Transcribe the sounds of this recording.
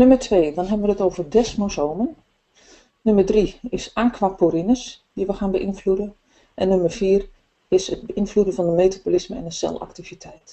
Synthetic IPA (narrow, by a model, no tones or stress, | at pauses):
nømərtʰʋeːdɔnɦɛbənʋənətoːwvərdɛsmosoːmən | nømərdriɪsaːkʰʋaːpoɾinəs | diʋəxaːnbəʔinfludə | ʔɛnːømərfiːr | ɪsəd̚bəʔinfludənvɑnəmeːtabolisməɛ̰nəsɛ̰lˠa̰ktivitʰɛjt